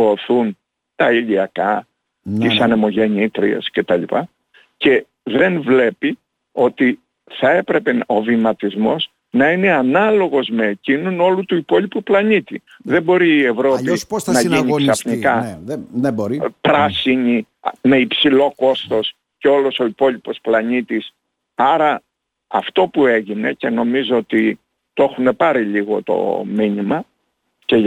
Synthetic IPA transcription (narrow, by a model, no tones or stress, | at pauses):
oːθun | t̪ɐiʎiɐkɐ | t̪isɐnemo̞ʝe̞ɲit̪ɾiḛsce̞t̪ɐʎipɐ | ce̞ | ðe̞nvle̞pi | o̞t̪i | θɐe̞pɾe̞pe̞o̞vimɐt̪izmo̞s | nɐine̞ɐnɐlo̞ɣo̞zme̞ːcinuno̞lut̪uipo̞lipuplɐɲit̪i | ðe̞mbo̞ɾiːe̞vɾo̞isnɐʝiɲiksɐfnikɐ | bpɾɐsiɲi | me̞ipsilo̞ko̞st̪o̞s | ceo̞lo̞so̞ipo̞lipo̞splɐnit̪is | ɐɾɐ | ɐft̪o̞pue̞ʝine̞ce̞no̞mizoot̪i | t̪oe̞xune̞pɐɾiʎiɣo̞t̪o̞̰minimɐ | ce̞